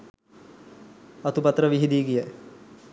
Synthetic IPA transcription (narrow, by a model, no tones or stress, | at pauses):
ɐt̪upɐt̪ɾəʋiɦid̪iːkijaj